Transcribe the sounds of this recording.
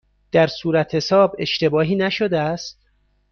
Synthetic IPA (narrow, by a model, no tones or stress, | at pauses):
d̪̥æɾsuːɾæt̪he̞sɒːbe̞ʃt̪e̞bɒːɦiːnæʃod̪eæst̪̚